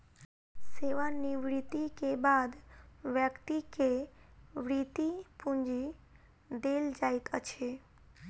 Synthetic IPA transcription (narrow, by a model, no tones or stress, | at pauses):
seʋaniʋɾit̪ikebad̪ʋjəkt̪ike | ʋɾit̪ipũnd͡ʒi | d̪eld͡ʒajt̪ət͡ʃʰe